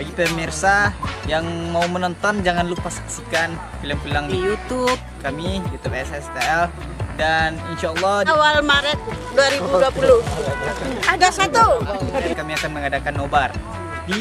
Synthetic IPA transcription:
baɡipəmirsajaŋmaumənɔnt̪ɔnd͡ʒaŋanlupasḁksikan | filəmfilaŋdijut̪ub̚ | kamijut̪upɛsɛst̪aɛl | daninʃaːlːɑawalmaɾət̪̚duaɾibuduapulu | adasat̪uakamiakanməŋadakanːobar | di

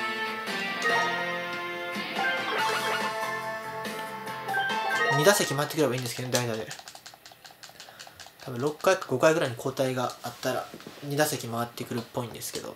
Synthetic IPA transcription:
ɲʲid̪asekʲimaβat̪ːekɯɾe̞baĩnd̪esɨkeod̪aid̪ad̪e̞̰ | t̪ʰabɯ̟̃ɾo̞kːaikḁɡo̞kaiɡɯ̟ɾaiɲ̟ikʰo̞ːt̪aiɡaat̪ːaɾa̰ɲ̟ʲid̪asekʲimaat̪ːe̞kɯ̟ɾɯ̟pːo̞ĩnd̪e̞sɨ̥ke̞̰d̪o̞̰

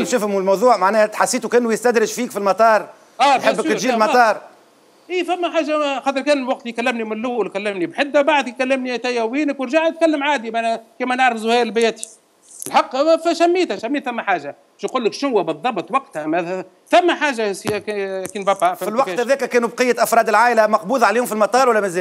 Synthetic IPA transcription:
nʃʊfhʊmulmɑwðˤuːʕmaʕnɛːhæt̪ħasːiːt̪ukɪnːujɪst̪æd̪ɾɪʒfiːkfilmɑt̪ˤɑːɾˤ | æːħħəbːk̪ʒiːmɑt̪ˤɑːɾˤ | ʔiːfæmːæħaːʒaxɑːt̪ˤəɾkɛːnlwɑq̚t̪ijkælːɪmnimɪnlːʊːlkælːɪmnibħɪd̪ːawbaʕd̪jkælːɪmnit̪æjæwiːnəkwəɾʒaʕt̪̚kælːəmʕaːd̪imaʕnkiːmænəʕɾəfzʊhæːɾɪlbɪjæt̪i̥ | əlħɑqːfʃæmːiːt̪hæʃæmːiːt̪θæmːæħaːʒa | bɪʃnquːlːəkʃnʊwːæbɨðˤːɑbt̪ˤwɑqt̪hæmæ | θæmːæħaːʒaskkiːnbæpɑffilwɑqt̪ːhæðɛːkækæːnubqəjːæt̪ʔɑfɾˤɑːd̪əlʕaːʔɪlæmɑqbuːðˤʕaleːhʊmfilmɑt̪ˤɑːɾˤwælːæmæzɛː

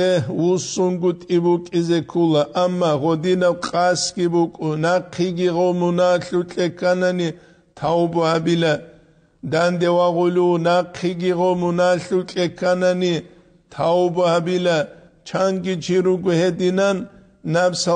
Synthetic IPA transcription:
ɛwusunɡut̪ʼibukʼizɛkʰulaʔamːaʁɔd̪inɐwqʼasɡibukʼʊnaqʰiɡiʁɔmunaɬut͡ɬʼɛkʰanani | t̪ʰawbhabila | d̪and̪ɛwaʁʊlinaqʰiɡiʁɔmunaɬut͡ɬʼɛkʰanani | t̪ʰaubhabila | t͡ʃʰaŋɡit͡ʃʰiɾuɡʷhɛd̪inanː | absa

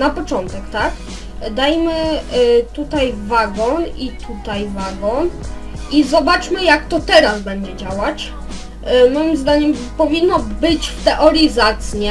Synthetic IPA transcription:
napɔt͡ʂɔnt̪ɛkt̪ak | d̪ajmɘ | t̪ut̪ajvaɡɔnit̪ʰut̪ajvaɡɔn | izɔbat͡ʂmɘjakt̪ɔt̪ɛɾazbɛɲd͡ʑɛd͡ʑawat͡ɕ | mɔjimzd̪aɲɛmpɔvʲinːɔbɘt͡ɕft̪ɛʔɔɾʲizat̪sɲɛ

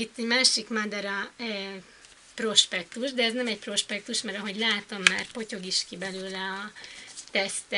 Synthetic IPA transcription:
it̪ːɛɟmaːʃikmad̪ɛɾɒ | pro̞ʃpɛk̚t̪uʒd̪ɛːznɛmɛc̚pro̞ʃpɛk̚t̪uʃmɛɾɒɦo̞ɟlaːt̪o̞mːaːrpo̞co̞ɡiʃkibɛløːlɛɒt̪ɛst̪ɛ

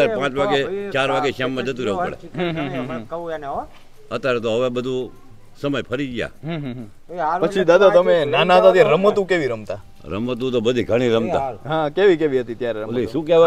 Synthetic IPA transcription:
aɾpãːt͡ʃʋaɡet͡ʃaɾʋaɡeʃamːãd͡ʒət̪̬ũɾɛʋpə̰ɭḛɦɦ | ət̪jaɾet̪oɦəʋebəd̪ʱũ | səməjpʰəɾid͡ʒja̰ | pət͡ʃʰid̪ad̪at̪əmenanad̪ad̪eɾəmət̪ũkeʋiɾəmt̪a | ɾə̰mət̪̬ũt̪obəd̪ʱiɡʱəɽ̃iɾəmt̪a̰ɦãkeʋikeʋiɦət̪it̪jaɾɛɾəliʃũkeʋ

